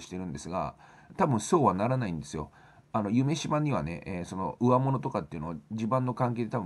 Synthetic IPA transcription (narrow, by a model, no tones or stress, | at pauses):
ɕi̥t̪e̞ɾɯ̟̃nd̪e̞sɨɡa̰ | t̪abɯ̟̃ɰ̃so̞ːβanaɾanaĩnd̪e̞sɨjo̞̰ | ano̞jɯ̟me̞ɕibãɲ̟ːiβa̰ne̞̰ʔeːso̞no̞ɯ̟amo̞no̞t̪o̞kat̪ːeiɯ̟no̞ad͡ʑibãnːo̞kãŋke̞ːd̪e̞t̪abɯ̃